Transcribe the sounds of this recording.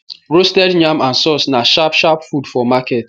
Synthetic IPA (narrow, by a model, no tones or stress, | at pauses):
ɾostɛdɲamansɔsnaʃapʃapfudfɔmaket̚